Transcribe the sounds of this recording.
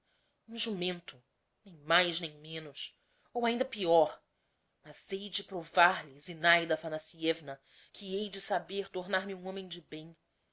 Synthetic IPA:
ũʒumẽnt̪ʊ | nẽj̃majznẽj̃mẽnʊs | owaĩd̪ɐpiɔɾ | mɐzejd͡ʒɪpɾovaɾlɪzinajd̪ɐfanasiɛvnɐ | kʰiejd͡ʒɪsabeɾt̪oɾnaɾmiũõmẽj̃d͡ʒɪbẽj̃

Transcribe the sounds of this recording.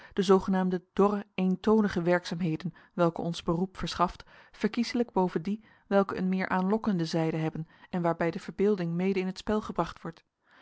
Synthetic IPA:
d̥əzowχənaːmdəd̥ɔrəejntownəχəʋɛɹksaːmɦejdən | ʋɛlˠkəɔnzbərupfəɹsχɑft | fəɹkizələɡ̚bowvəndi | ʋɛlˠkəə̰nmɪːɹʔaːnlɔkəndəzɛjdəɦɛbənɛnʋaːɹbɛjdəv̥əɹbɪːlˠdɪŋmejdəɪnətspɛlˠχəbrɑχtʋɔɹt

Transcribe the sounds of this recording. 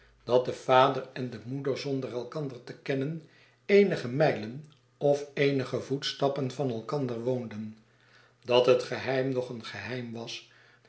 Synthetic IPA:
d̥ɑt̚dəv̥aːdərɛndəmudəɹzɔndərɛlˠkɑndəɹtəkɛnən | ejnəχəmɛjlən | ɔfejnəχəvutstɑpənvɑnɛlˠkɑndəɹʋowndən | d̥ɑtɦətχəɦɛjmnɔχənχəɦɛjmʋɑs

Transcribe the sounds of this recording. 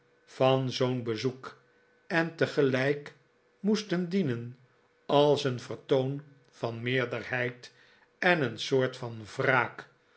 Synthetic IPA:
fɑnzownbəzuk | ɛntəχəlɛjk | mustəndinən | ɑlˠsənvəɹtown | vɑnmɪːɹdəɹhɛjt | ɛnənsʊːɹtfɑnvraːk

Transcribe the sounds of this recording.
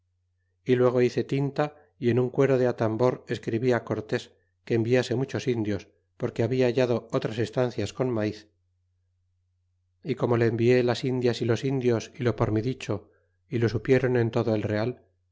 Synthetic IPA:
ilwe̞ɣ̞o̞iθe̞t̪int̪a | ie̞nuŋkwe̞ɾo̞ðeat̪ambo̞ɾe̞skɾiβiako̞ɾt̪e̞s | ke̞ːmbiase̞mut͡ʃo̞sind̪jo̞s | po̞ɾkeaβiaːʝaðo̞ot̪ɾase̞st̪an̟θjasko̞nmaiθ | iko̞mo̞le̞ːmbie̞lasind̪jasilo̞sind̪jo̞silo̞po̞ɾmiðit͡ʃo̞ | ilo̞supje̞ɾo̞ne̞nt̪o̞ðoe̞lre̞al

